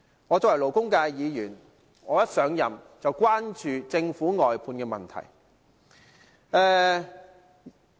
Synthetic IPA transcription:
ŋɔː˨˧t͡sɔː˧wlo˨˩wkʊ˥ŋkaː˧jjiː˨˧jyː˨˩n | ŋɔː˨˧jɐ˥t̚sœː˨˧ŋjɐ̰˨m | t͡sɐ˨wkʷwaː˥nt͡ʃyː˨t͡sɪ˧ŋfuː˨˥ŋɔː˨jpʰuː˧nkɛː˧mɐ̰˨nt̪ʰɐ̰˨˩j | ɛː˨˧

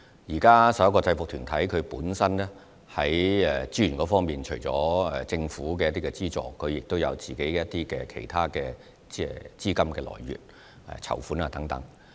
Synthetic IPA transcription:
jiː˨˩kaː˥sɐ˨p̚jkɔː˧t͡sɐ˧jfʊ˨k̚t̪ʰyː˨˩nt̪ʰɐ˨˥jkʰɵ˨˧puː˨˥nsɐ˥nɛ˥ | hɐ˨˥jɛ˨t͡siː˥y˨˩nkɔː˨˦fɔː˥ŋmiː˨nt͡ʃʰɵ˨˩ɥt͡sɔː˨˥ɛ˨˩t͡sɪ˧ŋfuː˨˥k̬ɛː˧jɐ˥t̪iː˥kɛ˧t͡siː˥t͡sɔ̰ː˨kʰɵ˨˧ɥjɪ˨k̚t̪o˥wjɐ˨˧wt͡siː˨˩ke˨˥jjɐ˥t̚t̪iː˥kɛː˧kʰe˨˩jt̪ʰaː˥kɛː˧ | ɛː˥t͡siː˥kɐ˥mkɛː˧lɔ̰ː˨˩jːy̰ː˨˩t̚ | ɛ̰˨˩t͡sʰɐ̰˨˩wfuː˨˥naː˨˧t̪ɐ˨˥ŋt̪ɐ˨˥ŋ

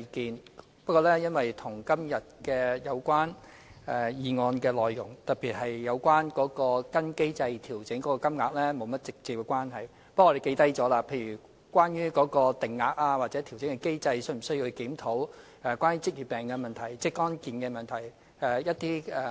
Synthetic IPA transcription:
kiː˨n | pɐ˥kɔː˧lɛː˥jɐ˥nwɐ˨jt̪ʰʊ˨˩ŋkɐ˥mjɐ˨t̚kɛː˧jɐ˨˧wkʷwaː˥n | ɛ˨˧jiː˨˧ŋɔː˧nkɛː˧lɔː˨jːʊ̰˨˩ŋt̪ɐ˨˩p̚iː˨t̚ɦɐ˨jːɐ˨˧wkʷwaː˥nkɔː˨˥kɔː˧kɐ˥nke˥jt͡sɐ˧jt̪ʰiː˨˩wt͡sɪ˨˥ŋkɔː˨˥kɔː˧kɐ˥mŋaː˨˧k̚lɛː˥mo˨˧wmɐ˥t̚t͡sɪ˨k̚t͡siː˨p̚kɛ˧kʷwaː˥nɦɐ˨j | pɐ˥k̪̚ːe˨˩ke˧jt̪ɐ˥jt͡sɔː˨˥laː˧pʰe˧jyː˨˩ | kʷaː˥nɥyː˥kɔː˨˥kɔː˧t̪ɪ˨ŋːaː˧k̚aː˧waː˨t͡sɛː˨˥t̪ʰi˨˩wt͡sɪ˨˥ŋkɛ˧ke˥jt͡sɐ˧jsɵ˥m̩˨˩sɵ˥ju˧hkiː˨˥mt̪ʰo˨˥w | ɛ˨˩kʷaː˥nyː˥t͡sɪ˥k̚ji˨t̚pɛː˨ŋkɛː˧mɐ˨nt̪ʰɐ˨˩jt͡sɛː˥kɔː˥nkiː˨nkɛː˧mɐ˨nt̪ʰɐ˨˩j | ɛ˧jɐ˥t̚t̪iː˥ɛ˧

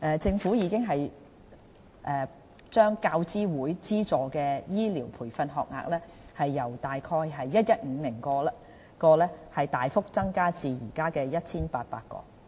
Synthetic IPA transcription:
ʔɛː˧t͡sɪ˧ŋfuː˨˥jiː˨˧kɪ˥ŋɦɐ˨j | ʔɛː˧ | t͡ʃœː˥ŋkaː˧wt͡siː˥wuː˨˥jt͡siː˥t͡sɔː˨kɛː˧jiː˥liː˨˩wpʰuː˨˩jfɐ˧nɦɔː˨k̚ŋa̰ː˨k̚lɛː˥hɐ˨jːɐ˨˩wt̪aː˨jkʰɔː˧jɦɐ˨jːɐ˥t̚jɐ˥t̚ŋ̩ː˨˧˦lɪ˨˩ŋkɔː˧lɐ˧ | kɔː˧lɛː˥hɐ˨jt̪aː˨jfʊ˥k̚t͡sɐ˥ŋkaː˥t͡siː˨˧jiː˨˩kaː˥kɛː˧jɐ˥t̚t͡sʰiː˥npaː˧t̚pa̰ː˧t̚kɔ̰ː˧

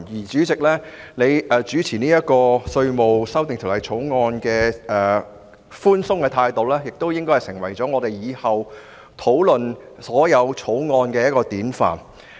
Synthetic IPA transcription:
jiː˨˩t͡ʃyː˨˥t͡sɪ˨k̚lɛː˥ne˨˧jɛː˨˧t͡syː˨˥t͡sʰiː˨˩niː˥jɐ˥t̚kɔː˧sɵ˧ɥmo˨wsɐ˥wt̪ɪ˨ŋt̪ʰo˨˩lɐ˨jt͡sʰo˨˥wŋɔː˧nkɛː˧ʔɛː˨˩ | fuː˥nsʊ˥ŋkɛː˧t̪ʰaː˧jt̪o˨wlɛː˥jɪ˨k̚t̪o˥wjɪ˥ŋkɔ˥hɐ˨jsɪ˨˩ŋwɐ˨˩jt͡sɔː˨˥ŋɔː˨˧t̪e˨jiː˨˧hɐ˨w | t̪ʰo˨˥wlɵ˨n | sɔː˨˥jɐ˨˧wt͡sʰo˨˥wŋɔː˧nkɛː˧jɐ˥t̚kɔː˧t̪iː˨˥nfa̰ː˨n

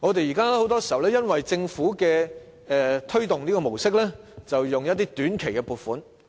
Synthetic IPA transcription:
ŋɔː˨˧t̪e˨jiː˨˩kaː˥lɛː˥ho˨˥wt̪ɔː˥si˨hɐ˨˩wlɛː˥jɐ˥nwɐ˨jt͡sɪ˧ŋfuː˨˥kɛː˧ | ɛ˨˧t̪ʰɵ˥ɥt̪ʊ˨ŋniː˥kɔː˧mo˨˩wsɪ˥k̬̚lɛː˥ | t͡sɐ˨wjʊ˨ŋjɐ˥t̚t̪iː˥t̪yː˨˥nkʰe˨˩jkɛ˧puː˨˩t̚fuː˨˥n

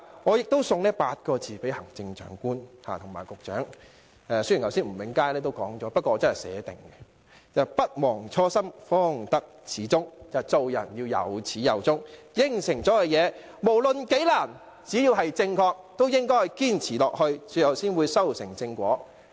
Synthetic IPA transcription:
ŋɔː˨˧jɪ˨k̚t̪o˥wsʊ˨˧ŋnɛː˥paː˧t̚kɔː˧t͡siː˨pe˨˥jhɐ˨˩ŋt͡sɪ˧ŋt͡ʃœ̰ː˨˥ŋkuː˥nha̰ː˨˩t̪ʰʊ˨˩ŋma̰ː˨˩jkʊ˨k̚t͡ʃœ̰ː˨˥ŋ | ɛ˧sɥy˨˩jɐ˨wsiː˥nm̩˨˩mɪ˨˧˥ŋkaː˥jlɛː˥t̪o˥wkɔː˨˥ŋt͡sɔː˨˥pɐ˥t̚kɔː˧˨ɔ˧t͡sɐ˥nhɐ˨jsɛ̰ː˨˧t̪ɪ˨ŋɡɛ˧ | t͡sɐ˨˩wpɐ˥t̚wɔː˨˩ŋt͡sʰɔː˥sɐ˥mfɔː˥ŋt̪ɐ˥k̚t͡sʰiː˨˥t͡sʊ˥ŋt͡sɐ˨t͡so˨˧wjɐ̰˨˩njiː˧wjɐ̰˨wt͡sʰiː˨˥jɐ˨˩wt͡sʊ˥ŋjɪ˥˩ŋsɪ˨˩ŋt͡sɔː˨˥kɛ˧jɛː˨˧ | mo˨˩wlɵ˨nke˨˥jlaː˨˩n | t͡siː˨˥jiː˧wɦɐ˨jt͡sɪ˧ŋkʰɔː˧k̚t̪o˥wjɪ˥ŋkɔː˥˨jkiː˥nt͡sʰiː˨˩lɔː˨k̚hɵ˧ɥt͡syː˨˥jɐ˨wsiː˥nwuː˨˧jsɐ˥wsɪ˨˩ŋt͡sɪ˧ŋkʷɔ̰ː˨˥

